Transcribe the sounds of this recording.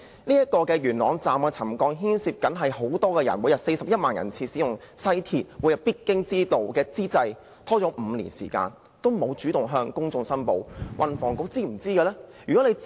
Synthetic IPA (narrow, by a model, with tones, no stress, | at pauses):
niː˥jɐ˥t̚kɔː˧kɛː˧jyː˨˩nlɔː˨˥ŋt͡saː˨mkɛː˧t͡sʰɐ˨˩mkɔː˧ŋɦiː˥nsiː˧p̚kɐ˨˥nɦɐ˨jho˨˥wt̪ɔː˥kɛː˧jɐ̰˨˩nwu˨˧˥jɐ˨p̚se˧jsɐ˨p̚jɐ˥t̚maː˨njɐ̰˨˩nt͡sʰiː˧siː˨˥jʊ˨˩ŋ | sɐ˥jt̪ʰiː˨t̚wuː˨˧jɐ˨˩wpiː˥t̚kːɪ˥ŋt͡siː˥t̪o˨wkɛː˧t͡siː˥t͡sɐ˧j | t̪ʰɔː˥t͡sɔː˨˥ʔm̩ː˨˧lḭː˨˩nsḭː˨˩ka̰ː˧n | t̪o˥wmo˨˧wt͡ʃyː˨˥t̪ʊ˨ŋɦœː˧ŋkʊ˥ŋt͡sʊ˧ŋsɐ˥npo˨wwʔɐ˨nfɔ̰ː˨˩ŋko˨˥t͡siː˥m̩˨˩t͡siː˥kɛ˧lɛː˥jyː˨kɔ˨˥ne˨˧j